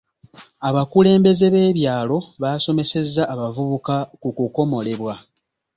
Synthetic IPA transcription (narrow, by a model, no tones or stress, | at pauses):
aβakule̞ːmbe̞ze̞βe̞ːβjaːlo̞βaːso̞me̞se̞zːaːβavuβukakukuko̞mo̞le̞βwa